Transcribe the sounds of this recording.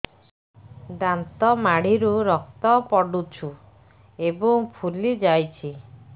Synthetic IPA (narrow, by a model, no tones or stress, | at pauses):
d̪ant̪ɔmaɽiɾuɾɔk̚t̪ɔpɔɽut͡ʃʰu | ebɔŋpʰulid͡ʒajt͡ʃʰi